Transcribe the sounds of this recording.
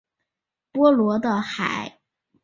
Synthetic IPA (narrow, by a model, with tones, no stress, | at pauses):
pwɔ˥lwɔ˧˥d̪ə˧xa̰˨˩˦ɪ